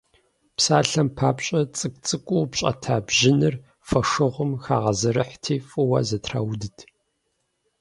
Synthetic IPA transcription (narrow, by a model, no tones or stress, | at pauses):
psaːɬɐmpʰaːpɕʼɐt͡sʼɨk̚ʼt͡sʼɨkʷʼuwpɕʼɐ̰tʰaːbʒɪnɨr | fɐʂɨʁʷʊmxa̰ːʁɐzɐɾɨħtʰiːfʼɨwa̰ːzɐtʰra̰ːwdɨtʰ